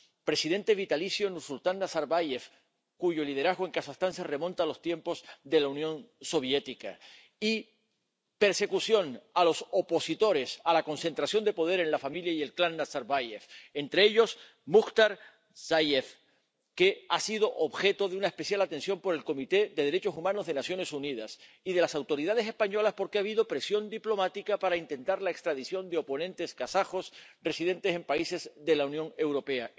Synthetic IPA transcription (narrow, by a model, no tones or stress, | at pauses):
pɾe̞sið̞e̞nt̪e̞β̞it̪alisjo̞nusult̪anːasaɾβaje̞f | kuʝo̞lið̞eɾazɣoe̞ŋkasast̪anse̞re̞mõnt̪alo̞st̪je̞mpo̞zðe̞launjõ̞nso̞β̞je̞t̪ika̰ | i | pe̞ɾse̞kusjo̞nalo̞sopo̞sit̪o̞ɾe̞salako̞nse̞nt̪ɾasjo̞nd̪e̞po̞ð̞e̞ɾe̞nlafamiljaie̞lklanːasaɾβajefent̪ɾeeʎo̞s | muxt̪aɾ | sajeθ | ke̞asið̞o̞ʔoβxe̞t̪o̞ðeunae̞spe̞θjalat̪e̞nsjo̞mpo̞ɾe̞lko̞mit̪e̞ðe̞ðe̞ɾe̞t͡ʃo̞sumãno̞zðe̞nasjo̞ne̞suniðas | ið̞e̞lasawt̪o̞ɾiðað̞e̞se̞spaɲo̞laspo̞ɾkeaβiðo̞pɾe̞sjo̞nd̪iplo̞mat̪ikapaɾaint̪e̞nt̪aɾlaekst̪ɾaðiθjo̞nd̪e̞o̞po̞nẽnt̪e̞skasaxo̞sre̞siðe̞nt̪e̞se̞mpaise̞zðe̞launjõ̞ŋe̞wɾo̞pe̞a